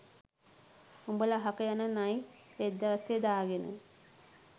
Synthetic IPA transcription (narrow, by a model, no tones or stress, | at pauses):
umbəlaɦakəjanənajʋed̪ːɐʋased̪aːɡenə̰